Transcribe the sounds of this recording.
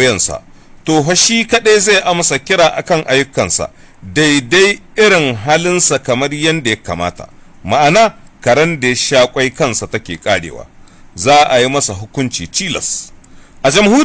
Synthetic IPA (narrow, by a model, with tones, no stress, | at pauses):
jɐ˦˨nsa̰˨ʔ | toː˨ɦɐ˦ʃiː˦kɐ˦ɗe˦za˦˨ʔa˦mɐ˨sa˨kʲɪ˦ɽaː˨ʔa̰˨kɐ˦˨ŋʔa˨jːʊ˦kːɐ˨nsa̰˨ | da˦˨jda˦jʔɪ˦ɾɪ˨ŋɦaː˦lɪ˦nsa˨kɐ˨mɐ˦rjɐ˦nda˨jɐ˦ka̰ː˨ma̰ː˦ta̰˨ma˨ʔa˨naː˦kɐ˨ɽɐ˦nda˨˦ʃaː˦kʷʼa˦jkɐ˦˨nsa˨tɐ˦kʲḛː˨kʼaː˦ɽḛː˨wa̰ː˨ | zaː˦ʔa˨ji˦mɐ˦sa˨ɦʊ˦kʷʊ˦nt͡ʃḭː˨t͡ʃiː˦lɐ̰˨sʔa˨d͡ʒɐ˨mhuː˦